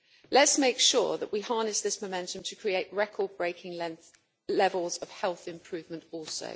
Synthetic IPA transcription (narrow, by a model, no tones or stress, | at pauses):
lətsmeɪkʃɔ̰ːðəʔwihɑːnɪsðɪsməʊmɛ̃ntə̃mtʰəkʰɹ̥ieɪʔɹɛkʰɔːd̚bɹeɪkʰɪ̃ŋ | lɛvəlˠzəv̥hɛlˠθɪ̃mpʰɹ̥ʉːvmə̃ntɔˑlˠsə̰ʊ